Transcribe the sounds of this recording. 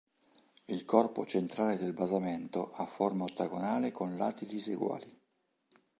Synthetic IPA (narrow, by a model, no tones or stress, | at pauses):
ilkɔrpot͡ʃent̪ɾaːled̪elbazament̪oʔafːormaot̪ːaɡonaːlekonla̰ːt̪ilisḛɡwa̰ːli